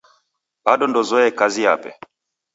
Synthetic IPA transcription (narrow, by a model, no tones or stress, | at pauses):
baɗɔndɔzɔɛkaziapɛ̰